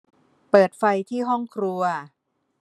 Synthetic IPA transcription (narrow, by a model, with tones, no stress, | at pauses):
pɤː˨˩t̪̚fa˧jt̪ʰiː˥˩ɦɔ˥˩ŋkʰɾu˧ɐ